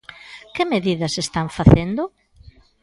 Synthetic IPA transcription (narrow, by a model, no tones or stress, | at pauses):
kɪmeðiðɐsest̪aɱfaθend̪ʊ